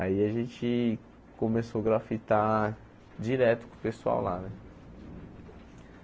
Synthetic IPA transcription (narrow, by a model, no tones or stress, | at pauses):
aiaʒẽt͡ʃɪ | kõmesoɡɾafit̪a | d͡ʒiɾɛt̪ʊ̥kʊ̃pesua̰wla̰nɛ